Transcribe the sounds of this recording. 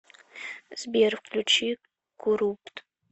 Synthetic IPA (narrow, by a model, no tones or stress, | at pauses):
z̥bervqʰʼlʲut͡ʃʰi | ɡ̥uɾuptʼ